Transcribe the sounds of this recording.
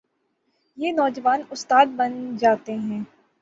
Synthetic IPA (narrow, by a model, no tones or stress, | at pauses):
jeːnɔːd͡ʒəʋaːnʊst̪aːd̪̚bɐnd͡ʒaːt̪eɦɛ̃ː